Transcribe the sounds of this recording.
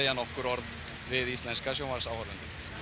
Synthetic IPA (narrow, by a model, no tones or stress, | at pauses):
janɔhkʏɾɔɾð | vɪðist̪lɛnskasjowmaɾsawvaɾʏnt̪ɪ